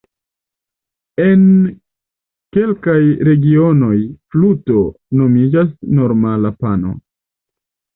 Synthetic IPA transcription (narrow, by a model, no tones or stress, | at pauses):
en | ke̞lkajɾe̞ɡio̞no̞jfluto̞ | no̞mid͡ʒasno̞ɾmalapano̰